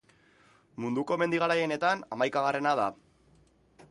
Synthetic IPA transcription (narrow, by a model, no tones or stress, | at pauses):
mund̪uko̞me̞nd̪iɣaɾaje̞ne̞t̪anamajkaɣare̞naða